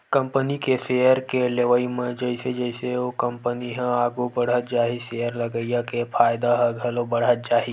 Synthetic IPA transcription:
kɐ̃mpənikeseːjəɾkeleʋəimẽd͡ʒəɪsed͡ʒəɪseokə̃mpəniɦɛ̃aːɡubəɽ̤ət̪̚d͡ʒaːɦiseːəɾlɐɡəjakepʰaːjd̪aɦə̃ɡʱɐlobɐɽ̤ət̪̚d͡ʒaːɦi

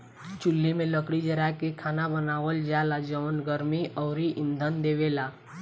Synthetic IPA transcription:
t͡ʃʊlːimẽləkɽid͡ʒəɾakekʰaːnabənaːʋəld͡ʒaːlad͡ʒəʋnɡəɾmiɔːɾiʔɪ̃nd̪ʱənd̪eːʋela

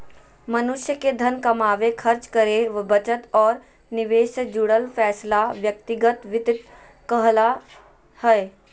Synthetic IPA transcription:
mənʊʃjəked̪ʱənkɐmaːʋekʰəɾt͡ʃkəɾeʋbət͡ʃət̪ɔːɾ | nɪʋeːʃəd͡ʒʊɽəlfʰɛːslaʋjək̚t̪ɪɡət̪ʋɪt̪ɪt̪ | kəɦla | həe

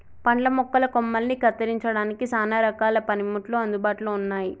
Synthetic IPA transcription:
pɐɳɖlɐmɔkːɐlɐkomːɐlnikɐt̪ːɐɾiɲt͡ʃɐɽaːnikisaːnaːɾɐkaːlɐpɐnimuʈloːɐnd̪ubaːʈuloːunːaːji

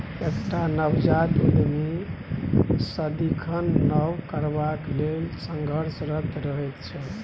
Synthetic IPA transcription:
ekʈanəbd͡ʒad̪ud̪mi | səd̪ikʰənːəwkəɾbaklelsəŋɡʱəɾsɾət̪ɾəɦɛt̪t͡ʃʰɛ

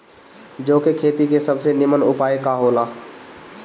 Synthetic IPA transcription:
d͡ʒoːkekʰeːt̪ikesəbsenɪmənʊpaːjekaɦoːlaː

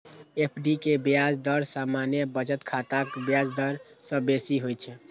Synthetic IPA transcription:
epʰɖikebjad͡ʒd̪əɾsamanjəbət͡ʃət̪kʰat̪akbjad͡ʒd̪əɾsə̃besiɦojt͡ʃʰɛ

